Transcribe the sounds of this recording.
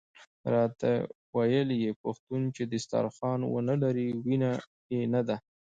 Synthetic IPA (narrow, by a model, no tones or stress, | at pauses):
ɾɑt̪a̰ | wajəljepaxt̪unt͡ʃed̪əst̪ɑ̰ɾxɑnwə̰nəlaɾiwina | jenad̪a